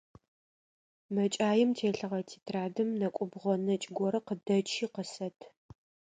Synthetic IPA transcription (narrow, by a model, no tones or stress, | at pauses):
mɐt͡ʃʼaːjɪmtʰeːɬɨʁɐtʰiːtʰraːdɨmnɐkʷʼʊbʁʷɔnɐt͡ʃʼɪɡʷɔɾɐqədɐt͡ʃʰiːqəsɐtʰ